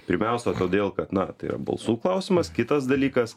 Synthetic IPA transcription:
pʲɪɾʲmʲæʊsʲɛt̪oːd̪ʲeːlˠkɐt̪nɐt̪ɐɪḭɾɐ̰bɐ̰lˠsuːklˠɐʊsʲɪmɐskʲɪt̪ɐsd̪ɐlʲiːkɐs

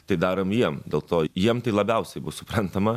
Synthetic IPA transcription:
t̪ɐɪd̪ɑːɾoːmjiɛmd̪ʲeːlˠt̪oːjiɛmt̪ɐɪlˠɐbʲɛʊsʲɛɪbʊsʊpɾɐnt̪ɐmɐ

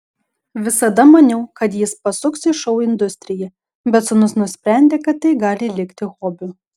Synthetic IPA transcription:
ʋʲɪsɐd̪ɐmɐnʲɛʊkɐt̪jɪspɐsʊksɪʃɔʊɪnd̪ʊsʲt̪ʲɾʲɪjɛ | bʲɛt̪sʊnʊsnʊsʲpʲɾʲæˑnʲd̪ʲeːkɐt̪ːɐɪɡɑːlʲɪlʲɪkʲt̪ʲɪɣɔːbʲʊ

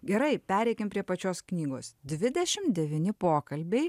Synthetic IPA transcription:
ɡʲɛɾɐɪpʲæːɾʲɛɪkʲɪmpʲɾʲiɛpɐt͡ʃʲoːsknʲiːɡo̰ːsd̪ʲʋʲɪd̪ʲɛʃʲɪmd̪ʲɛʋʲiːnʲɪpoːkɐlʲbʲɛɪ

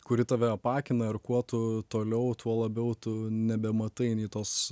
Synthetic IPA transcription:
kʊɾʲɪt̪ɐʋʲɛɐpɑːkʲɪnɐɪrkuɔt̪ʊt̪oːlʲɛʊt̪ʰuɔlˠɐbʲɛʊt̪ʊnʲɛbʲɛmɐt̪ɐɪnʲiːt̪oːs

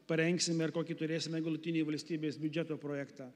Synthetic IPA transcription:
pɐɾʲɛŋksʲɪmʲɛɪɾkoːkʲɪt̪ʊɾʲeːsʲɪmʲɛɡɐlˠʊt̪ʲɪnʲeːʋɐlʲsʲt̪ʲiːbʲeːsbʲʊd͡ʒʲæt̪oːpɾoːjækt̪ɑː

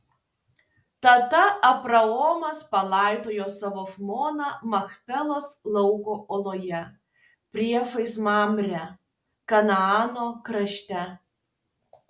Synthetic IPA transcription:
t̪ɐt̪ɐɐpɾɐɔːmɐspɐlˠɑˑɪt̪oːjoːsɑʋoʒmoːnɑmɐxpʲɛlˠoːslˠɐʊkoːʔolˠoːjɛ | pʲɾʲiɛʃɐɪsmɑːmʲɾʲɛ | kɐnɐɑːnoːkɾɐʃʲt̪ʲɛ

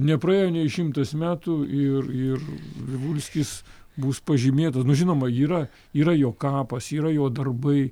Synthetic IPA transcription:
nʲɛpɾɐeːjoːnʲɛɪʃʲɪmt̪ɐsmʲæːt̪ʊɪrɪrʋʲɪʋulʲsʲkʲɪs | buspɐʒʲɪmʲeːt̪ɐsnʊʒʲɪnoːmɐiːɾɐ | iːɾɐjoːkɑːpɐsiːɾɐjoːd̪ɐrbɐɪ

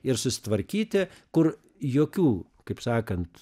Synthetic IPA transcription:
ɪɾsʊsʲɪ̥t̪ʋɐɾʲkʲiːt̪ʲɪkʊr | joːkʲuː | kɐɪpsɑːkɐnt̪

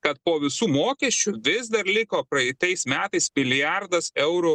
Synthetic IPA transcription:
kɐt̪̚poːʋʲɪsuːmoːkʲɛsʲt͡ʃʲʊʋʲɪzd̪ɐɾlʲɪkoːpɾɐɪt̪ɐɪsmʲæːt̪ɐɪsmʲɪlʲɪjɑɾd̪ɐsɛʊɾʊ

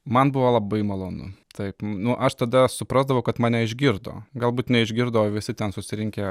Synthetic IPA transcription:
mɐnbʊʋoːlˠɐbɐɪmɐlˠoːnʊ̰t̪ʰɐɪpnʊʔɐʃt̪ɐd̪ɐsʊpɾɑzd̪ɐʋɐʊkɐt̪mɑːnʲɛɪʒʲɡʲɪɾd̪o̰ːɡɐlˠbuːt̪nʲɛɪʒʲɡʲɪɾd̪ɐʋoːʋʲɪsʲɪt̪ʲɛnsʊsʲɪɾʲɪŋʲkʲe

